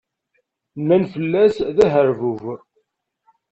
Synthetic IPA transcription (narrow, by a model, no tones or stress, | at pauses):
mænfəlːæsðæɦəɾvuv